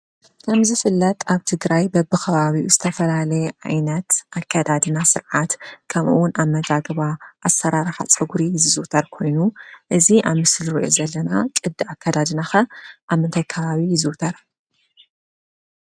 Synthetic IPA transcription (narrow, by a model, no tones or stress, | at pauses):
kʰɐmzɨfɨlːɐt̪ʼaβt̪ʰɨɡɾajbɐbɨkʰɐβaβiʔuzɨt̪ʰɐfɐlalɐjɛʕa̰jnɐt̪ʔakʰːad̪ad̪ɨnasɨɾʕat̪kʰɐmʔuwʊnʔamːɐdaɡɨβaʔːsɐɾaɾɨħa̰t͡sʼɐɡuɾizɨzut̪ʰɐɾkʰo̞jnuʔɨziʔaβmɨslɾiʔo̞̰zɐlːɐnakʼɨd̪ːɨakʰːad̪ad̪ɨnaxɐʔamːɨnt̪ʰɐjkʰɐβaβijzut̪ʰɐɾ